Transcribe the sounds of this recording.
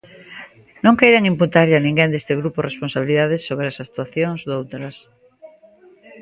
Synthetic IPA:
nõŋkejɾeŋĩmput̪aɾʎanĩŋɡẽnd̪est̪eɣ̞ɾuporesponsaβiliðaðesːoβɾeasak̚t̪uaθjoŋzðowt̪ɾas

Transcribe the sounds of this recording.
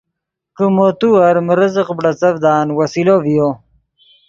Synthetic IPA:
kəmot̪uɐɾməɾəzəqbɖɐt͡sɐvd̪aːnwɐsilovijo

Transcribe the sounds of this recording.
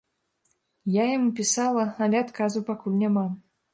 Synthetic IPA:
jajamupʲisalˠɐɐlʲɛat̪kazupakulʲnʲama

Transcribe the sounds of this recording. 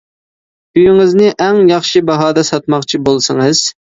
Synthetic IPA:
yjyŋɨznɪʔɛŋjɑχʃibɑɦɑːd̪ɛsɑt̪̚mɑχt͡ʃʰibolˠsɨŋɨz̥

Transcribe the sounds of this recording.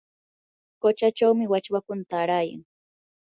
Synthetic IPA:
kot͡ʃat͡ʃawmɪwat͡ʃwakʊnt̪aːɾaja̰ŋ

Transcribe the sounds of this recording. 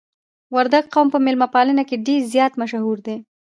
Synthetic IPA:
waɾd̪aɡ̚qawmpəmɪlmapɑlənakeɖeɾzjɑt̪maʃahuɾd̪e

